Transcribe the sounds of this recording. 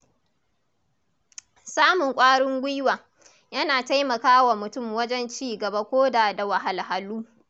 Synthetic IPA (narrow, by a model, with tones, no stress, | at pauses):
saː˦mʊ˨ŋkʷʼaː˦ɽɪ˦ŋɡʷɪ˦waː˨ | jɐ˦naː˨ta˦jmɐ˨kaː˦wa˨mʊ˨tʊ˦˨mwɐ˦d͡ʒɛ˦nt͡ʃiː˦˨ɡɐ˨ba˦kʷoː˦daː˨da˨wa˨ɦa˨lɦa˨luː˦